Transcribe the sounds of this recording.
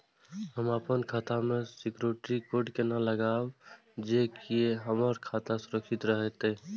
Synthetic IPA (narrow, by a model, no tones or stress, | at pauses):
həmapənkʰat̪amesikɾeʈɾikoɾɖkenaləɡab | d͡ʒekieɦəməɾkʰat̪asuɾəksit̪ɾəɦɛt̪e